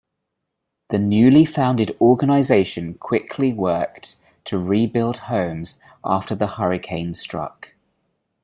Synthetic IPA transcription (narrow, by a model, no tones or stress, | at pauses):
ðənjʉːlifãʊ̃ndɪdɔːɡənaɪzeɪʃə̃nkʰw̥ɪkʰliwɜˑk | tʰəɹiːbɪlˠd̥hə̃ʊ̃mz̥ | ʔɑ̰ˑftəðəhʌɹɪkʰẽɪ̃nstɹ̥ʌ̰k